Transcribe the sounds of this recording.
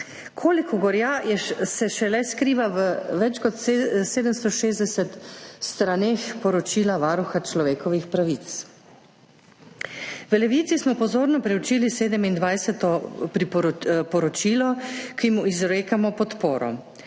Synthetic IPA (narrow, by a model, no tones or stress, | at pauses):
kʰoːlikɔɡɔɾjaːjɛsɛʃɛlɛskɾiːʋaʋəʋɛt͡ʃkɔt̪seːd̪əmst̪ɔʃeːzd̪ɛsɛt̪st̪ɾaneːxpɔɾɔt͡ʃiːlaʋaːɾuxat͡ʃlɔʋeːkɔʋixpɾaʋit̪s | ʋəlɛʋiːt̪sismɔpɔzoːɾnɔpɾɛwt͡ʃiːliseːd̪əmind̪ʋajsɛt̪ɔɾipɔpɔɾɔt͡ʃiːlɔkimuizɾeːkamɔpɔt̪poːɾɔ̰